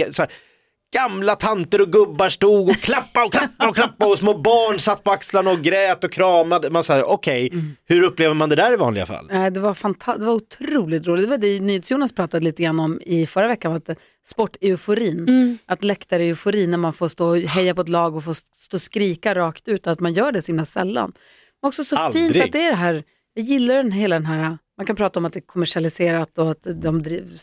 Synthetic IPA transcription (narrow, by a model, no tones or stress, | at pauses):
sɔæː | ɡ̥amlat̪ʰant̪əɾɔɡɵbːaʂʈuːɡɔkʰlapːaɔkʰlapːaɔkʰlapːaɔsmoːbɑːɳsat̪ːpʰɔakslanɔɡɾɛːt̪ɔkʰɾɑːmad̪əmansɑːʔɔkʰɛjhɵɾɵpːleːvəɾmand̪ɛd̪æːɾɪvɑ̰nlɪɡa̰fa̰lnɛɪd̪ɛvaɾfant̪ʰad̪ɛvaɾʊt̪ʰɾuːlɪt̪ːɾuːlɪɡd̪ɛvad̪ɛnyːheːt̪sjuːnaspʰɾɑːt̪ad̪əliːt̪əɡɾanːɔmɪfœɾavɛkːanat̪ | spɔʈːɛʊfʊɾiːnʔat̪lɛkt̪aɾɛʊfʊɾiːnæɾmanfoːɾst̪oːɦɛjːapɔɛt̪lɑːɡɔfoːst̪oːskɾiːkaɾɑːkt̪ʉ̟ːt̪at̪manjœːɖɛsɔhɪmlasɛ̰lːa̰n | mɛnɔksɔsɔlfiːntɾat̪d̪ɛæɖɛɦæːɾ | jɑːɡjɪlːajʏd̪ɛnɦeːlad̪ɛnɦæːɾamankʰanpʰɾɑːt̪aɔmat̪d̪ɛkʰɔmæʂɪalɪseːɾat̪ːɔat̪d̪ɔmd̪ɾiː